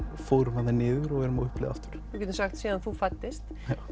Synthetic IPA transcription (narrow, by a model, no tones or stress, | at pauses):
foːwɾʏmanɪnɪːðʏɾɔɣɛɾmaʏhplɪ̰ːa̰ft̪ʏ̥ɾ̥ucɛt̪ɾsaxt̪siːðanθufat̪ːɪst̪ | jaw